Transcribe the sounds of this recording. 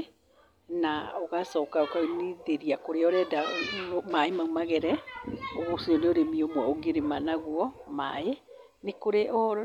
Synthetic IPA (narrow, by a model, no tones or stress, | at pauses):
naɔɣasɔkaokaniðeɾiakoɾeɔɾɛdaomaemaumaɣɛɾɛoɣosioneoɾemiomwɔoɡeɾemanaɣwɔma̰e | nekoɾeʔɔ